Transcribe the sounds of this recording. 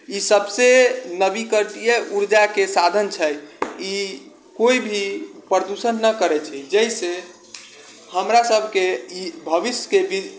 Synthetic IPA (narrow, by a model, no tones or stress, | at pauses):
isəbsenəbikəɾʈijeʔuɾd͡ʒakesad̪ʱənt͡ʃʰəji | koibʱipɾɾəd̪usənːəkəɾɛt͡ʃʰɛd͡ʒəise | həmɾasəbʱkeibʱəʋisjəkebi